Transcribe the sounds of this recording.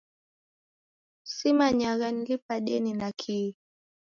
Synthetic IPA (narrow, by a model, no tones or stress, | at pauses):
simaɲaɣanɡipaɗɛninakʰi